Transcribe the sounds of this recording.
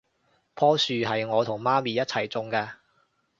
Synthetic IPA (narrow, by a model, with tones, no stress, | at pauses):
pʰɔː˥syː˨ɦɐ˨jŋɔː˨˧t̪ʰʊ˨˩ŋmaː˥miː˨jɐ˥t̚t͡sʰɐ˨˩jt͡sʊ˨˧ŋkaː˧